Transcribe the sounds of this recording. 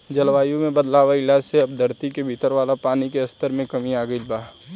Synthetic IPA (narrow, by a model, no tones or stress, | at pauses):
d͡ʒɐlʋaːjũmẽbɐd̪laːʋaɪlaːd͡ʒseɐb̚d̪ʱəɾt̪ikebʱiːt̪əɾʋaːlapaːnikeɐst̪əɾmẽkɐmiaːɡəilbaːɦ